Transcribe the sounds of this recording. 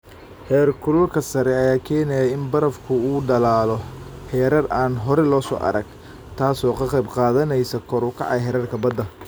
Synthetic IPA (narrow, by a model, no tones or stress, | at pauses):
hɛːrkʰʊlʊlkʰɐsɐɾɛɐjaːkʰɛːnɛjaɪnbɐɾɐfkʰʊuːɖɐlaːlɔhɛːɾɐraːnɦɔɾɛlɔːsɔ̰ːʔɐ̰ɾɐɡ̚ | t̪ʰaːsɔːkʰɐqɛjbqɑːðɐnɛjsɐkʰɔɾʊkʰɑ̰ʕɑjɦɛɾɐrkʰɐbɐd̪ːɐ